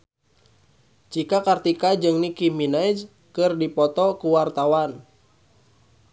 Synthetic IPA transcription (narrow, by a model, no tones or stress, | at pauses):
t͡ʃikakart̪ikad͡ʒɨŋnikiminajd͡ʒ | kɨrdipɔt̪ɔkuwart̪awan